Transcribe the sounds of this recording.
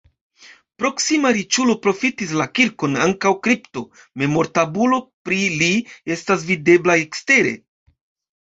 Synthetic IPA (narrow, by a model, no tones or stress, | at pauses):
pɾo̞ksimaɾit͡ʃulo̞pɾo̞fitis̬lakiɾko̞naŋkawkɾipto̞ | me̞mo̞ɾtabulo̞pɾilie̞stas̬vide̞blaekste̞ɾe̞̰